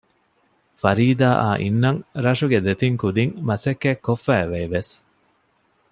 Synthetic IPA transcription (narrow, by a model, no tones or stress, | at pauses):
fɐɾiːd̪aːʔa̰ːʔḭnːɐŋɾɐʂuɡed̪et̪iŋkud̪iŋmɐsekːekːofːæːʋeːʋes